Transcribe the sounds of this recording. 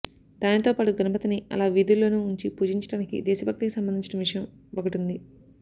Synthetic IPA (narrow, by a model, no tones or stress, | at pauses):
d̪̥aːnit̪oːpaːʈuɡɐnɐpɐt̪ɐniɐ̰laːʋiːd̪ulːo̞ːnuːɲt͡ʃipuːd͡ʒiɲt͡ʃɐɽaːnikḭd̪ɛːsɐbʱɐk̚t̪ikisɐmbɐnd̪iɲt͡ʃɐnɐʋiʂɐjɐm | okɐʈund̪i